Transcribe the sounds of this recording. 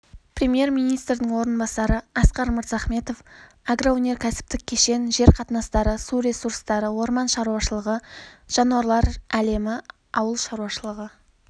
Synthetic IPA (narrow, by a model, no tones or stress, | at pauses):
prʲemje̞rmijnijst̪ɾɪd̪ɪŋwo̞ɾənbɑsɑɾəɑsqɑɾməɾt̪zɑχme̞t̪o̞f | aɡrawɵne̞ɾkʲʰæsɪ̥p̚t̪ɪk̚ʲʰe̞ʃe̞nʒe̞ɾqʰɑt̪nɑst̪ɑɾəsuɾe̞suɾst̪ɑɾəwo̞ɾmɑnʃɑɾuɑʃəlˠəʁəʒ̥ɑnuwɑɾlˠɑɾæle̞mɪ | ɑwəlˠʃɑɾuɑʃəlˠəʁə